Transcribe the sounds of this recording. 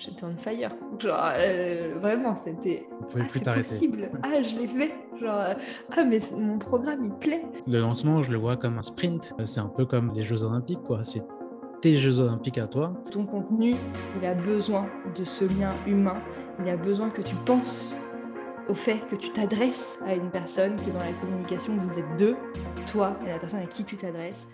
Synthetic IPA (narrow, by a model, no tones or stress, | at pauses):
ʒat̪ɑ̃nfajœ̰ʁʒɑ̰̃ʁøvʁɛmɑ̃set̪ɛ | ɔ̃puvɛplyɛt̪aʁpeɔtseiblaʒəlefɛ | ʒɑ̃ʁøamɛmɔ̃pχɔɡʁamiplɛləlɑ̃smɑ̃ʒələvwakɔmɛ̃spχĩnt̪sɛɛ̃pøkɔmleʒøzɔlɛ̃pikːwasɛ | t̪eʒøzɔlɛ̃pikat̪wat̪ɔ̃kɔ̃t̪nyilabəzwɛ̃d̪əsəljɛ̃ymɛ̃ | ilabəzwɛ̃kət̪ypɑ̃s | ofɛtkət̪y̥t̪ad̪ʁɛs | aynpɛʁsɔnkʲiɛd̪ɑ̃lakɔmynikasjɔ̃vuzɛt̪̚d̪ət̪waelapɛʁsɔnakʲit̪yt̪ad̪ʁɛs